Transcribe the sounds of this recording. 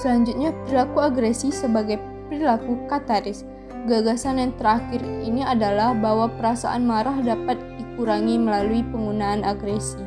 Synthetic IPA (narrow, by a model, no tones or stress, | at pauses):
səlaɲd͡ʒʊt̪̚ɲapəɾilakuaɡɾesisəbaɡaj | pəɾilakukat̪aɾɪs | ɡaɡasanjaŋt̪əɾaxɪriniadalahbaɦwapəɾasa̰ʔanmaɾahdapat̪̚dikuɾaŋiməlaluipəŋɡunaːnaɡɾesi